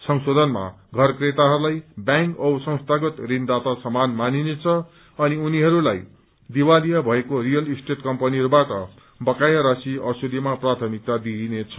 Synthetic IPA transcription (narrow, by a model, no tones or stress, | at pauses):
sʌŋsod̪ʱʌnma̰ | ɡʱʌrkret̪aɦʌɾulajbjãŋkʌwsʌ̃ŋ̃st̪ʰaɡʌt̪rind̪at̪asʌmanmaninet͡sʰʌ | ʌniuniɦʌɾulaj | d̪iwalijʌbʱʌekorijʌlisʈeʈkʌmpʌniɦʌɾubaʈʌ | bʌkajʌɾʌsiʌsud̪ʱimaprat̪ʰʌmik̚t̪ad̪inet͡sʰʌ̥